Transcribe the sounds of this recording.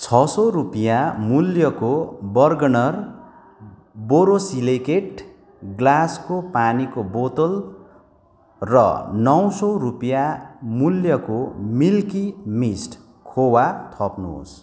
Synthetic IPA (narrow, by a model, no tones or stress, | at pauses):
t͡sʰʌsʌrupjamuljʌkobʌrɡʌnʌr | boɾosilekeʈ | ɡlaskopanikobot̪ʌl | rʌ̰nʌwsʌrupijamuljʌkomilkimisʈ | kʰowat̪ʰʌpnṵɦo̰s